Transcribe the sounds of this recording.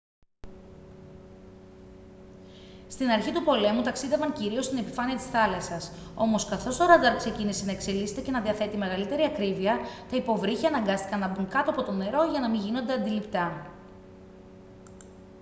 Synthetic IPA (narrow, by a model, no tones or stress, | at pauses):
st̪inɐɾçit̪upo̞le̞mut̪ɐksiðe̞vɐŋciɾio̞st̪ine̞pi̥fɐniɐt̪i̥sθɐlɐsɐso̞̰mo̞skɐθo̞st̪o̞ɾɐd̪ɐɾkse̞cinisenɐekse̞lise̞t̪e̞ce̞nɐðiɐθe̞t̪ime̞ɣɐlit̪e̞ɾiɐkɾiviɐt̪ɐipo̞vɾiçiɐnɐŋɡɐst̪ikɐnɐbuŋkɐt̪oɐpo̞t̪o̞ne̞ɾo̞ʝɐnɐmiʝino̞nd̪e̞ɐnd̪ilipt̪ɐ